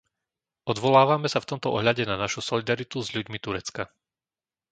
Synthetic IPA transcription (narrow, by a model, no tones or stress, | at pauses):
ʔɔd̪ʋɔlaːʋamɛsaft̪ɔmt̪ɔʔɔɦʎaɟɛnanaʃusɔlid̪aɾit̪uzʎuɟmit̪uɾɛt͡ska